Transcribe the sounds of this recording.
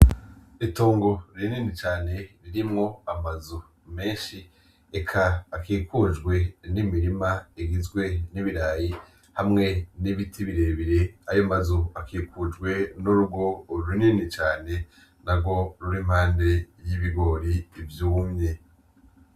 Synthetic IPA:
itoːŋɡo̞ɾininit͡ʃaːne̞ɾiɾimŋo̞amazu | me̞ːnʃi | ekʰaːkiːkud͡ʒɡwe̞nimiɾimaiɡizɡwe̞niβiɾaːji | hamŋe̞niβitʰiβiɾeβiɾe̞ajomazuakʰikud͡ʒɡwe̞nuɾubɡo̞ɾuɾininit͡ʃaːne̞ | nabɡo̞ɾuɾim̥haːnde̞jiβiɡo̞ɾiːvjuumɲe̞

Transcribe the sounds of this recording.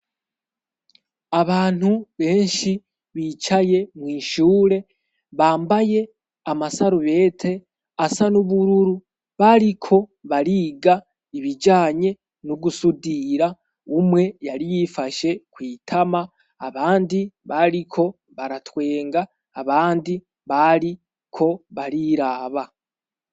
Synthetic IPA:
aβaːn̥huβe̞ːnʃi | βiːt͡ʃaje̞mwiːʃuːɾe̞ | βaːmbaje̞ | amasaɾuβe̞ːtʰe̞ | asanuβuɾuɾu | βaɾikʰo̞βaɾiːɡa | iβid͡ʒaːɲe̞ | nuɡusudiɾa | umwe̞jaɾijifaʃe̞kwiːtʰamaː | βaːndiβaɾikʰo̞ | βaɾatwe̞ːŋɡaː | βaːndi | βaɾi | kʰo̞βaɾiɾaːβa

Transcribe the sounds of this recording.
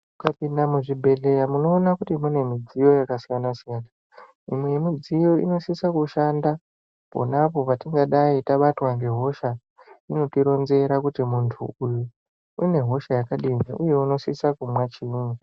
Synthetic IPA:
mukapindamuʐibʱe̞ɮejamuno̞ːnakutimune̞mid͡zijo̞jakasijanasijaːna | imwejemid͡zijo̞ḭno̞sisakuʃanda | po̰napo̞patiŋɡaɗaitaɓatwaŋɡe̞ɦo̞ʃa | ino̞tiɾo̞nze̞ɾakutimuntʰṵuju | ine̞ɦo̞ʃajakaɗimaʔuje̞uno̞sisakumwat͡ʃini

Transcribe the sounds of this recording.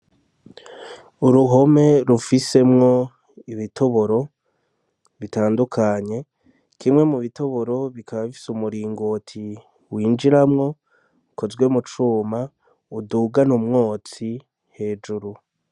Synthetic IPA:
uɾuɦo̞me̞ɾufise̞mŋo̞ | iβito̞βo̞ɾo̞ | βitaːndukʰaɲe̞ | kʰimŋe̞muβito̞βo̞ɾo̞βikʰaβaβifi̥sumuɾiːŋɡotʰi | wiːnd͡ʒiɾamŋo̞ | ko̞zɡwemut͡ʃuːma | uduːɡanumŋoːt͡si | he̞ːd͡ʒuɾu

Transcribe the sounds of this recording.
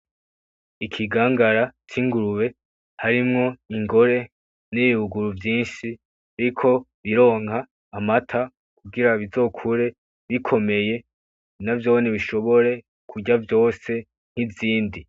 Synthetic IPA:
ikʰiɡaːŋɡaɾat͡ʃiŋɡuɾuβe̞ | haɾimŋo̞iŋɡo̞ɾe̞ | niβiuɡuɾuvjiːnʃi | aɾikʰo̞βiɾo̞ːŋhaː | matʰa | kuɡiɾaβizo̞ːkʰuɾe̞ | βikʰo̞me̞je̞ | navjoːwoniβiʃo̞βo̞ɾe̞ | kʰuɟavjo̞ːse̞ | n̥hiziːndi

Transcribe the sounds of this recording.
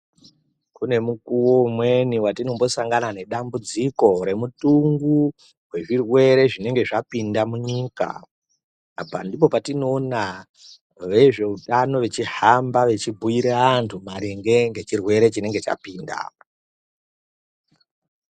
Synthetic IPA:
kune̞mukuwo̞umwe̞niwatino̞mbo̞saŋɡanane̞ɗambud͡ziko̞ɾe̞mutuŋɡu | we̞ʐirwe̞ɾe̞ʐine̞ŋɡe̞ʐapindamuɲiːka̰ː | pa̰ndip̬o̞patino̞ːna | ʋeʐe̞uɗano̞ʋe̞t͡ʃiɦambaʋe̞t͡ʃibʱuiɾeantʰumaɾeŋɡe̞ŋɡe̞t͡ʃirwe̞ɾe̞t͡ʃine̞ŋɡe̞t͡ʃa̰piːnda̰

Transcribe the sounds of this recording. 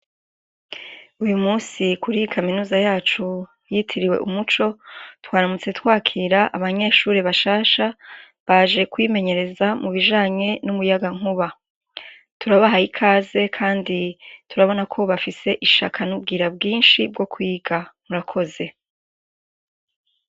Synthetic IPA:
ujumuːsikuɾijikʰaminuːzajaːt͡ʃu | jitʰiɾiwe̞̰ʔumut͡ʃo̞twaːɾamut͡se̞twaːkʰiːɾaʔaβaɲe̞ːʃuːɾeβaʃaːʃa | βaːʒe̞kwime̞ɲe̞ɾe̞zamuβiʒaːɲe̞numujaɡaŋ̥uβa | tʰuɾaβaɦaikʰaːze̞kʰaːnditʰuɾaβo̞nakʰo̞βafise̞ʔiʃa̰kʰanub̚ɡiːɾabɡiːnʃibɡo̞kwiːɡamuɾakʰo̞ze̞

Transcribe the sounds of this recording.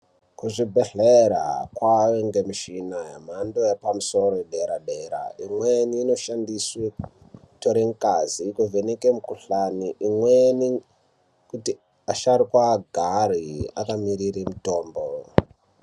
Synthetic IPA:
kuʐibʱeɮeɾa̰kwaweŋɡemiʃinaja̰m̤andojepamuso̞roɗeɾaɗeːɾa̰imweniːnoʃandiswe | to̞ɾeŋkaziːkuvenekemukuɬaniʔimweni | kuti | aʃaɾikwaɡʱaria̰kamiɾirimuto̞ːmbo

